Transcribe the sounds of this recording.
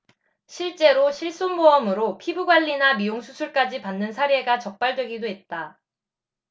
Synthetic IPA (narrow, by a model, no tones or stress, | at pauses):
ɕʰiɭt͡ɕ͈e̞ɾoɕʰiɭs͈unmoʌmɯɾopʰibuɡwaʎːinamioŋsʰusʰuɭk͈ad͡ʑipanːɯnsʰaɾe̞ɡat͡ɕʌk̚p͈aɭdwe̞ɡidoɦe̞t̚t͈a